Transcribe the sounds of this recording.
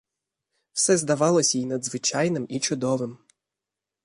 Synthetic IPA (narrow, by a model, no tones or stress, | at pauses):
w̥sɛzd̪ɐʋɑlˠɔsʲɐinɐd̪zʋɪt͡ʃɑjnɪmit͡ʃʊd̪ɔʋɪm